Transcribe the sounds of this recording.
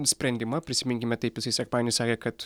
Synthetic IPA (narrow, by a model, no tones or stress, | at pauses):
sʲpʲɾʲɛnʲd̪ʲɪmɐpʲɾʲɪsʲɪmʲɪŋʲkʲɪmʲɛt̪ɐɪpjʲɪsɐɪsʲɛkmɑːnʲɪsɑːkʲeːkɐt̪